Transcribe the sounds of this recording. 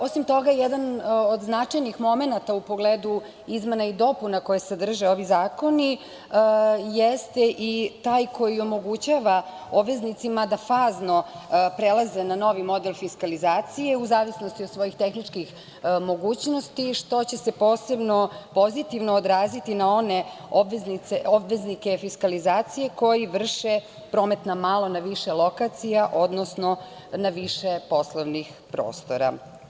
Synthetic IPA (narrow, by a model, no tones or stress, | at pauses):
o̞simt̪o̞ɡajed̪anod̪znaajnixmo̞me̞nat̪aupo̞ɡleːd̪u | izme̞naid̪o̞punako̞jesed̪r̩ʒeo̞ʋizaːko̞ni | jest̪e̞ʔit̪aːjkʰo̞jio̞mo̞ɡut͡ɕaʋa | o̞bʋe̞znit̪simad̪afaːzno̞pɾelˠaze̞nano̞ʋimo̞d̪elfiskalizaːt̪sije̞uzaːʋisno̞st̪iod̪sʋo̞jixt̪e̞xnit͡ʂkix | mo̞ɡuːt͡ɕno̞st̪iʃt̪o̞t͡ɕe̞se̞po̞ːse̞bno̞po̞zit̪iʋnoːd̪ɾaːzit̪inao̞ne̞ | obʋeznit̪seobʋeznike̞fiskalizaːt̪sije̞ko̞jiʋr̩ʃe | pɾo̞ːme̞t̪namalˠo̞naʋiʃe̞lˠokat̪sijaʔo̞d̪nosno̞ | naʋiʃepo̞slˠoʋnix | pɾo̰ːst̪o̞ɾa̰